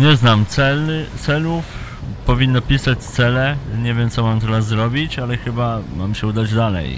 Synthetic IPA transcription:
ɲɛznamt̪sɛlt̪sɛluf | pɔvʲinːɔpʲisat͡ɕt̪sɛlɛɲɛvʲjɛmt̪sɔmamt̪ɛɾasːɾɔbʲit͡ɕalɛxɘbamamɕɛud̪ad͡ʑd̪alɛ̰j

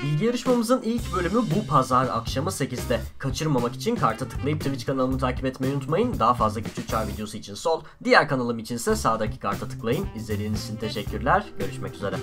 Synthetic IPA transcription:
bilʲɟijaɾɯʃmamɯzɯnilʲcbø̞lʲymybupʰazaɾa̰kʃamɯse̞cizd̪ɛkʰat͡ʃʰɯɾmamaki̥t͡ʃʰinkʰaɾt̪ʰat̪ʰɯ̥klˠajɯpt̪ʰɯvit͡ʃkʰanalˠɯnut̪ʰaːci̥pɛt̪mejunut̪majɯnd̪aɦafazlˠacʰyt͡ʃʰyt͡ʃʰaɾvid̪jo̞suit͡ʃʰinso̞lˠd̪ijæɾkanalˠɯmit͡ʃʰinsɛsaːd̪acʰi̥kʰaɾt̪ʰat̪ʰɯ̥klˠajɯnizlʲe̞ɾʲiːnzit͡ʃʰint̪ʰe̞ʃɛcːyɾlʲæɾɟ̥ø̞ɾyʃmɛcyze̞ɾɛ

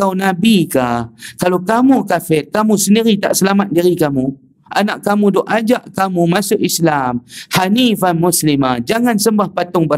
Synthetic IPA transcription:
awnabikakalokamukafɪt̚kamusəndiɾit̪a̰ʔsəlamat̪̚diɾikamu | ʔa̰naʔkamudɔʔad͡ʒaʔkamumasʊkislamhanifanmuslimad͡ʒaŋansəmbahpat̪ʊŋbə

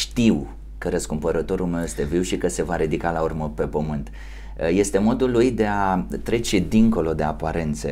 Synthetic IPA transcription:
ʃt̪iw | kəɾəskumpəɾət̪o̞ɾulme̞wje̞st̪e̞viwʃikəse̞vaɾid̪ikalaurməpe̞pəmɨnt̪ | je̞st̪e̞mo̞d̪ulujd̪e̞at̪ɾe̞t͡ʃe̞d̪iŋko̞lo̞d̪e̞apaɾe̞nt̪sḛ

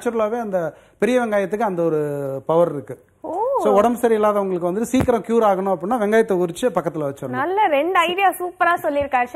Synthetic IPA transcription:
t͡ʃːɐɾlaːʋeːɐnd̪ɐ | pɛɾɪjɐʋɛŋɡaːjɐt̪ːɯkːɯɐnd̪ɐɔɾɯpɐʋɐɾɪɾɯkːɯ | oːsoːɔɽɐmsɐɾiɪlːaːðɐʋɐŋɡɐɭɯkːɯʋɐnd̪ɯʈ̪ːɯsiːkːɐɾɐ̃kjuːɾaːɣɐɳʊ̃ɐp̬ːɐɽɪnːaːʋɛŋɡaːjɐt̪ːɐkʊɾɪt͡ʃːɯpɐkːɐt̪ːɪlɐʋɐt͡ʃːɐɾɐnɐlːɐɾɛɳɖɐɪðɪjaːsuːpɐɾaːsɔlːɪɾɯkːaːɾ

